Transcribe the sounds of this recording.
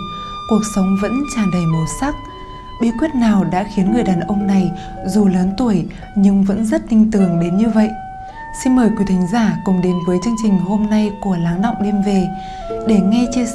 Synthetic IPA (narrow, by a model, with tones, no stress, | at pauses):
ku˨˩ək̚sə˨˦wŋ͡mvə̰˧˥nt͡ɕaː˧˩ɗə˨˩jmo˨˩sa˦˥k̚ | ɓi˨˦əkwi˦˥ət̚naː˨˩wɗa̰ː˧˥xi˨˦ənŋɨ˨˩əjɗaː˨˩nʔə˧wŋ͡mna˨˩j | zu˨˩ləː˨˦nt̪u˧˩əj | ɲɨ˧ŋvə̰˧˥nzə˦˥t̚t̪ï˧ŋ̟t̪ɨ˧˩əŋɗe˨˦nɲɨ˧və̰˧˨jʔ | si˧nməː˨˩jkwi˨˦t̪ʰï˨˦ŋ̟zaː˧˩kʊ˨˩ŋ͡mɗe˨˦nvəː˨˦jt͡ɕɨ˧əŋt͡ɕï˨˩ŋ̟ho˧mna˧jku˧˩əlaː˨˦ŋɗa̰˧˨wŋ͡mɗe˧mve˨˩ | ɗe˧˩ŋɛ˧t͡ɕe˧